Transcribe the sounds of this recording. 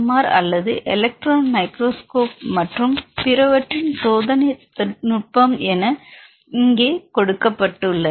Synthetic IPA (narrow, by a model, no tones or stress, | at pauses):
maːɾɐ̰lːɐðɯʔɛlɐk̚ʈɾaːnmɐɪkɾoːskoːp̚mɐʈrɯmpɪɾɐʋɐʈrɪnsoːðɐnɐt̪ːɐnʊʈ̚pɐmɛnɐ | ɪŋɡeːkɔɽɯkːɐpːɐʈːɯlːɐ